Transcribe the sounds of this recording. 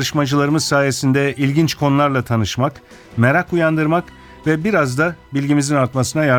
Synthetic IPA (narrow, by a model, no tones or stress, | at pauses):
ɯʃmad͡ʒɯlˠaɾɯmɯzsaːje̞sind̪ɛilʲɟint͡ʃkʰo̞nlˠaɾlˠat̪ʰanɯʃmak | meɾakujand̪ɯɾmak | vɛbiɾazd̪abilʲɟimizinaɾt̪masɯnaja